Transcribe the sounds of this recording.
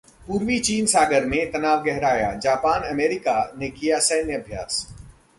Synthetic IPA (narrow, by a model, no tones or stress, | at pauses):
puːɾʋit͡ʃiːnsaːɡəɾmẽt̪ɐnaːʋɡɛɦɾaːja̰d͡ʒaːpaːnɐmeːɾɪkanekijasɐːnjəɐbʱjaːs